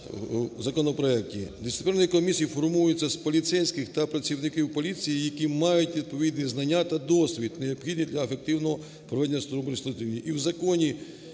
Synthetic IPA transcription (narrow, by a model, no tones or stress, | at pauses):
zɐkɔnɔpɾɔɛk̚tʲid̪ɪsɪpɛɾnɔjikɔmʲisʲijifɔrmujʊt͡sʲːɐspɔlʲit̪sɛjsʲkɪxt̪ɐpɾɐt͡sʲiwnɪkiwpɔlʲit͡sʲijijɐkimɑjʊtʲʋʲid̪̚pɔʋʲid̪ʲniznɐnʲːat̪ɐd̪ɔsʲʋʲid̪neɔbxʲid̪ʲnid̪lʲɐefek̚t̪ɪwnɔɦɔ | pɾɔʋɛd̪enʲːɐst̪ɔɾɔbnʲst̪ɾʊt̪iwnʲiʔiwzɐkɔnʲi